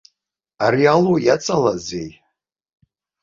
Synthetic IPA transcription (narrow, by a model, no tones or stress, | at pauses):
aɾialojat͡sʼalazej